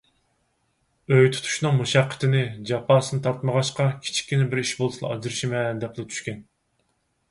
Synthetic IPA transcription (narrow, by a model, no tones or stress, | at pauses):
øjt̪ʰu̥t̪ʰu̥ʃnɨŋmuʃɑqʰːə̥t̪ʰɪnɪd͡ʒɑpʰɑːsɨnɨt̪ʰɑɾt̪məʁɑʃqɑkʲʰi̥t͡ʃʰi̥kʲːinɪbɪɾiʃbolˠsɨlˠɑ̰ɑ̰d͡ʒɨɾɨʃimɛd̪ɛplɪt̪ʰy̥ʃkʲɛn